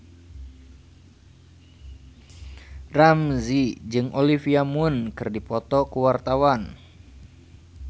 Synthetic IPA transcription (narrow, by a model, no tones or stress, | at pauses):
ramzid͡ʒɨŋʔolifiamunkɨrdipɔt̪ɔkuwart̪awan